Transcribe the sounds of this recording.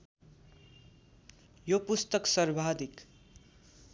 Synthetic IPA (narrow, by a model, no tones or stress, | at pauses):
jopust̪ʌksʌrbʱad̪ik